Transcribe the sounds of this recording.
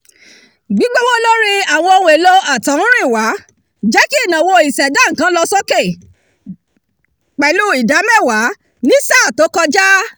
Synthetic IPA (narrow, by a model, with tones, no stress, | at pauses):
ɡ͡bi˨˦ɡ͡bo˦wo˦lɔ̃˦ɾ̃ĩ˧a˨w̃ɔ̃˧o˧wũ˧e˨lo˧a˨tã˨˦ũ˦ɾ̃ĩ˦˨wa˨˦ | d͡ʒɛ˦ki˦˨nã˨wo˧i˨sɛ˨dã˦˨ŋ̩˨kã˨˦lɔ˧sɔ˦ke˦˨ | k͡pɛ˨˦lu˦i˨da˨˦mɛ˦˨wa˨˦ | nĩ˦saː˦˨to˨˦kɔ˧d͡ʒa˦